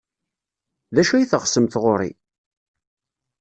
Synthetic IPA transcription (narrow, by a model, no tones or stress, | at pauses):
ðæʃæjiθəχsəmθʁoɾḭ